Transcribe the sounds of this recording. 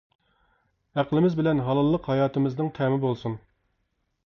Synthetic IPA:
æqlˠɪmɪzbɪlɛnɦɑlˠɑlˠːəqhɑjɑːt̪ɨmɪznɨŋt̪ʰɛmɪbolˠsun

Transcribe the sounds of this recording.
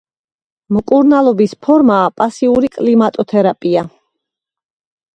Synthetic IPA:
mkʼuɾnalˠɔbispʰɔɾmaːpʼasiuɾikʼlimat̪ʼɔt̪ʰɛɾapʼia

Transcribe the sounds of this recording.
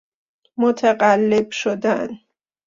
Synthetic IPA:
mot̪ʰæɢælːebʃod̪æn

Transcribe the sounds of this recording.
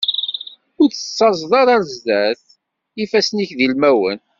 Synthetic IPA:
ʊɾθə̥t͡sːɑzˤðˤɑɾˤɑɾzd̪æθ | ifæsniçðilmæwə̰n

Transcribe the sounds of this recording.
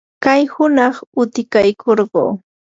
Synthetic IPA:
kajhʊnɑχʊt̪ɪkajkʰoɾɢo̰ː

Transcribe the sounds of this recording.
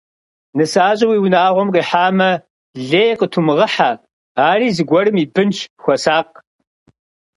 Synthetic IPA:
nɨsaːɕʼɐwiːwʊnaːʁʷɔmqiːħaːmɐ | ɮeːjqətʰumɨʁɐħaː | aːriːzɨɡʷɔɾɨmiːbɨnt͡ʃʰxʷɔsaːq̚

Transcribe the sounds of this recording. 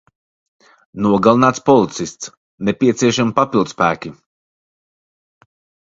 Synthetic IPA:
nuɔɡalˠinaːt̪spɔlˠit̪sist̪s | nɛpʲiɛt̪siɛʃampapilˠd̪spæːkʲi

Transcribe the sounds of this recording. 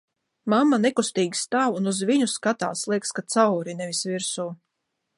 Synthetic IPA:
mamːanekust̪iːɡʲi̥st̪aːwunuzviɲuskat̪aːslˠiɛkskat̪sawɾinɛvisvʲiɾsuː

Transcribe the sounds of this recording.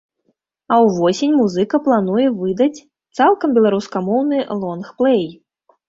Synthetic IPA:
ɐwvɔsʲenʲmuzɨkɐplˠanujɛvɨd̪ɐt͡sʲ | t̪salˠkɐmbʲɛlˠaɾuskamɔwnɨlˠɔnxplˠɛj

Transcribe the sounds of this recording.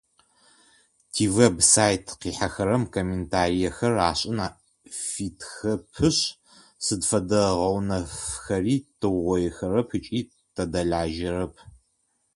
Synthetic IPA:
tʰivebsaːjtʰqiːħaxɐɾɐmkʰomeːntʰaːɾijɛɐxɐraːɕʼɪnaː | fitʰxɐpʰɨɕʼ | sɨdfɐdɐʁɐwnɐfxɐriːtʰɨwʁʷɔjɛxɐɾɐpʰɨt͡ʃʼiː | tʰɐdɐɮaːʒɪrɐpʰ

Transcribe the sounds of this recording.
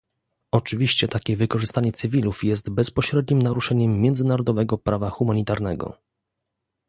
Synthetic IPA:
ɔt͡ʂɘvʲiɕt͡ɕɛt̪akʲɛvɘkɔʐɘst̪aɲɛt̪sɘvʲilufjɛst̪bɛspɔɕɾɛd̪ɲimnaɾuʂɛɲɛmːjɛnd̪zɘnaɾɔd̪ɔvɛɡɔpɾavaxumaɲit̪aɾnɛɡɔ̰

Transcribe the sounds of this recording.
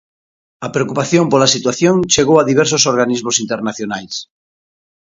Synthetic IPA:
ɐpɾeokupaθjompolasit̪waθjoŋt͡ʃeɣowaðiβ̞ɛɾs̬osoɾɣanizmosint̪eɾnaθjonajs

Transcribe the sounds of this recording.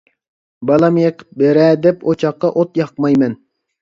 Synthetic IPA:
bɑlˠɑmjeqʰə̥p̚beɾɛd̪ɛpʰot͡ʃʰɑqːɑʔot̪jɑq̚mɑjmɛn

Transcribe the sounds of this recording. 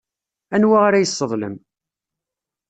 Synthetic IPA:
ænwaʁaɾajəsˤːəðˤlə̰m

